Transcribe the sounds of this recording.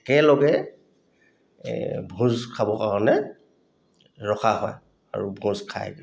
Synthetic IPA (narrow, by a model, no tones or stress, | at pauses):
ɛkɛlɔɡɛ | bʱũzkʰabɔkaɹɔnɛ | ɹɔkʰaɦɔj | a̰ɹubʱũzkʰa̰j